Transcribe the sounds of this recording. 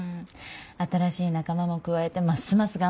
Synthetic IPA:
at̪aɾaɕiːnakamamo̞kɯ̟βae̞t̪e̞masːɨmasɨɡa

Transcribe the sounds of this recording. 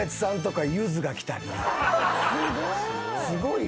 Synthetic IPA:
et͡sɨ̥sãnt̪̬o̞kajɯːzɨɡakʲi̥t̪a̰ɾʲi | sɨɡo̞i

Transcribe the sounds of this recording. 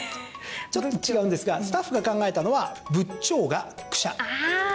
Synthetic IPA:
t͡ɕo̞t̪ːot͡ɕiɡaɯ̃nd̪e̞sɨɡasɨ̥t̪aɸːɯ̟ɡakãŋɡae̞t̪ano̞βabɯ̟t͡ɕːo̞ːɡakɯ̟̥ɕa̰

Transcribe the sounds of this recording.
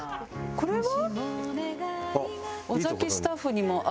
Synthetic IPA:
ko̞ɾeβa | a | ozakʲesɨ̥t̪aɸːɯɲ̟imo̞ʔ

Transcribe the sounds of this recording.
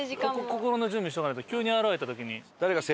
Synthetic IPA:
kkoko̞koɾono̞d͡ʑɨ̃mbiɕit̪okanɾet̪okʲɨːɲ̟iaɾaβaɾe̞t̪at̪o̞kʲiɲ̟id̪̥aɾe̞kase

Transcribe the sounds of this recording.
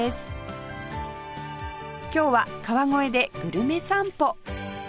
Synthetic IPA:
esɨ̥ | kʲo̞ːβakaβaŋo̞e̞d̪e̞ɡ̥ɯ̟ɾɯ̟me̞sãmpo̞

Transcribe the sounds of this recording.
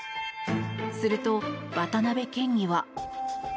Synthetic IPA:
sɨɾɯ̟t̪o̞b̥at̪anabe̞kẽ̞ɲːiβa

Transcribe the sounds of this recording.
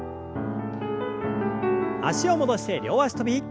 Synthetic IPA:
a̰ɕio̞mod̪o̞ɕi̥t̪e̞ɾʲo̞ːβaɕt̪obʲi

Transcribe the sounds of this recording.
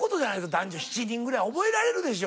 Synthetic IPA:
ko̞t̪o̞d͡ʑanait̪od̪ãɲd͡ʑoçi̥t͡ɕiɲʲĩŋɡɯ̟ɾaio̞bo̞eɾaɾe̞ɾɯ̟d̪e̞ɕ̬o

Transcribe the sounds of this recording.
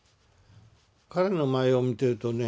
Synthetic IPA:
kaɾe̞no̞maeomʲit̪e̞ɯ̟t̪o̞ne

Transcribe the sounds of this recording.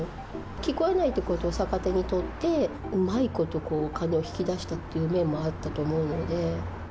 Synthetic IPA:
kʲiko̞e̞nait̪ːekot̪o̞ːsakat̪e̞ɲ̟it̪o̞t̪ːe̞ɯmaiko̞t̪o̞ko̞ːkane̞oçi̥kʲid̪aɕi̥t̪at̪ːejɯ̟ːmẽ̞mːo̞at̪ːat̪o̞ːmo̞ɯ̟no̞d̪e̞

